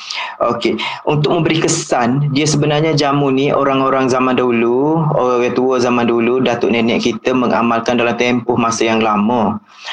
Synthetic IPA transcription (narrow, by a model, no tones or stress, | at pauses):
ʔokeunt̪ʊk̚mə̃mbəɾikəsandiəsəbənarɲad͡ʒamuniʔoɾaŋoɾaŋzamãndaɦuluoɣat̪uəzamandaɦuludat̪ʊʔnɛnɛʔkit̪əməŋa̰malkandalamt̪ɛmpʊhmasəjaŋlamə